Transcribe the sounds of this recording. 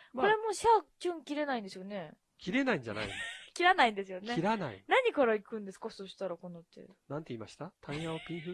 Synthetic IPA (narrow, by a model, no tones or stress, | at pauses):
koɾe̞moːɕakʲɯ̃ŋkʲiɾe̞naĩnd̪e̞sɨjone̞ | kʲiɾe̞naĩɲd͡ʑa̰na̰ḭ̃ndkʲiɾanaĩnd̪e̞sɨjo̞neiɾanaḭnaɲ̟ikaɾaikɯ̟̃nd̪e̞sɨ̥kaso̞ɕi̥t̪aɾako̞no̞t̪ːḛnãnt̪e̞iːmaɕi̥t̪at̪ʰãĩjãopʲĩɰ̃ɸɯ